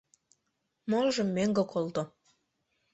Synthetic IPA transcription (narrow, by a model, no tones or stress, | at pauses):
molʒə̆mːeŋɡokʰolt̪o